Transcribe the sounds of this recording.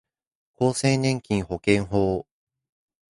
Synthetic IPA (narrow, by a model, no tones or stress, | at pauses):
koːsẽ̞nɲẽ̞ŋkʲĩɰ̃ho̞kẽ̞ɰɦoː